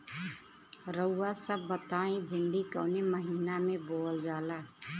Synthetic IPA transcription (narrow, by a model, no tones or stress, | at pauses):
ɾəwːasəbːət̪aːĩbʱɪɳɖikə̰ːneməɦiːnamẽboːld͡ʒaːlaː